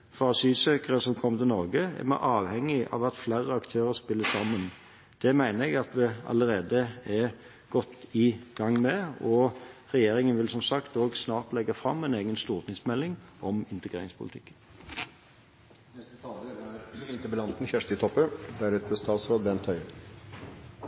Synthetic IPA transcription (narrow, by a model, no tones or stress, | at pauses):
fɾɑsyːsøːkəʁəsɔmkʰɔmːət̪ɪlnɔɾɡəɛ̰mæ̰ʔɑːʋhɛŋːɪʔɑ̰ːʋɑt̪flæːɾəɑkt̪ʰøːɾəʁspɪlːəsɑmːən | d̪̥ɛmæɪnəɾɛɡɑt̪ʋɛɑ̰ləɾeːd̪əɛ | ɡ̥ɔt̪ːɪɡ̥ɑŋːmɛɔʁɛjeːɾɪŋənʋɪlsɔmsɑkt̪oːɡsnɑːʁt̪lɛɡːɑfʁɑmːæɪneːɡənst̪uːʁt̪ɪŋsmɛlːɪŋʔɔmɪnt̪əɡʁeːɾɪŋspʰʊlɪt̪ʰɪkːən | nɛst̪ət̪ʰɑːd̪əæɾɪnt̪əbəlɑnt̪n̩çæʂʈ̪ɪt̪ʰɔpːəd̪æɾɛt̪əst̪ɑːt̪sɾoːd̪əb̪ɛnt̪ʰœʏ